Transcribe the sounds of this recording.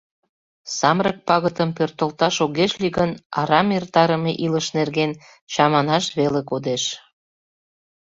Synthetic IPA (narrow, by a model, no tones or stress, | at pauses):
sɑmɾək̚pɑɣət̪əmpørt̪ə̆lt̪ɑʃoɣeʃliɣənɑ̰ɾɑmert̪ɑɾəmeʔiləʃnerɣen | t͡ɕɑmɑnɑʃβelekod̪eʃ